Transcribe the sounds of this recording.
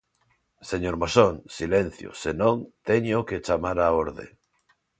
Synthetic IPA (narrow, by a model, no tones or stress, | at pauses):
seɲoɾmosoŋsilen̟θjo̰senõŋt̪eɲoket͡ʃamaɾaoɾðḛ